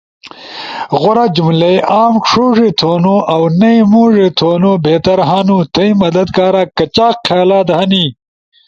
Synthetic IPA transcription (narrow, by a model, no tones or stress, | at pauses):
ɣʊɾad͡ʑumlejʔaːmkʂuːʐit̪ʰoːnuʔɐwnɐimuːʐet̪ʰoːnobeːt̪ɐɾɦaːnut̪ʰɐimɐd̪ɐd̪kaːɾaːkɐt͡ɕaːqqʰaːlaːd̪ɦɐniː